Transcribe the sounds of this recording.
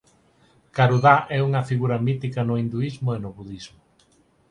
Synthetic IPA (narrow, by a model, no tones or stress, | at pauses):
kaɾuðaʔɛuŋɐfiɣuɾɐmit̪ikɐnʊind̪uizmʊenʊβuðizmʊ